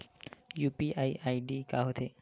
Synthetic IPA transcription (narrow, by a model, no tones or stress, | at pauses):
juːpiʔaiʔaiɖikaɦot̪ʰe